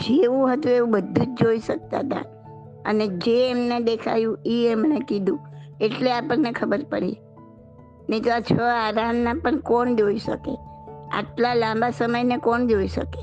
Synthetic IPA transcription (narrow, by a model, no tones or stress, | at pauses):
d͡ʒeũɦət̪ũeũbəd̪ʱːũd͡ʒd͡ʒoiʃək̚t̪a̰t̪ʰa̰ | ə̰ned͡ʒeːmned̪ekʰa̰jũiemnekid̪ʱũeʈleapəɾnekʰəbəɾpəɽḭ | net̪oat͡ʃʰəaɾamnapəɳkoɳd͡ʒoiʃə̰kea̰ʈlalãmbasəməjnekoɳd͡ʒoiʃə̰ke